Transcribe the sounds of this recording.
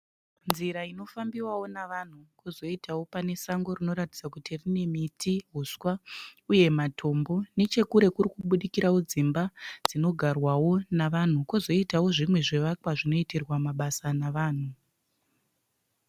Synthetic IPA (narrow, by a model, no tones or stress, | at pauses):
nziɾaino̞fambiwawo̞naʋan̤ukuzo̞itʰawo̞pane̞saŋɡo̞rino̞ɾati̥d͡zakutirine̞mitiɦuswauje̞matʰo̞mbo̞ne̞t͡ʃe̞kuɾe̞kurikuɓuɗikiɾawod͡zimbad͡zino̞ɡʱarwawo̞naʋan̤ukuzo̞itawo̞ʐimwe̞ʐeʋakwaʐino̞itirwamaɓasanaʋaːn̤u